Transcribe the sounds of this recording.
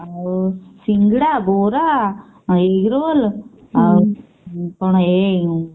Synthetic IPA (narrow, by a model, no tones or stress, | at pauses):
siŋɡiɽaboːɾa | eɡɾol | poːɳ̃õe